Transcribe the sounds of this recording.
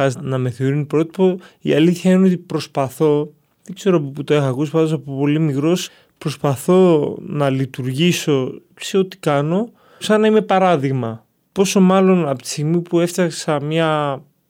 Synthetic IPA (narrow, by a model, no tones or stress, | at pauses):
ɐznɐme̞θeoɾinipɾo̞t̪i̥poḭɐliθçɐineo̞t̪ipɾo̞spɐθo̞ | ðeɡze̞ɾopoput̪o̞exɐkusi̥pɐnd̪osɐpopo̞limikɾo̞s | pɾo̞spɐθo̞nɐlit̪uɾʝiso̞ | se̞ot̪i̥kɐno̞ | sɐnɐime̞pɐɾɐðiɣmɐ | po̞so̞mɐlo̞nɐpot̪i̥st̪iɣmipue̞ft̪ɐksɐmɲɐ